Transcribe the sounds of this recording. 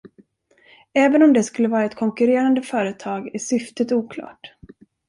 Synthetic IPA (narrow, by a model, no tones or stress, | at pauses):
ɛːvənɔmd̪ɛskɵlːəvɑːɾaɛt̪kʰɔŋkɵɾeːɾand̪əfœːɾət̪ʰɑːɡæʂʏft̪ət̪uːkʰlɑ̰ːʈ